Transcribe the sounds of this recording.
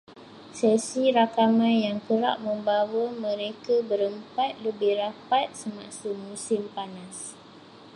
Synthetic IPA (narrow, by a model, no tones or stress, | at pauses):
sɛsiɾakamãnjaŋkəɾa̰ʔ̚mə̃mbawamə̃ɾekabəɾəmpat̪̚ləbɪhrapat̪̚səmãsumũsɪmpanas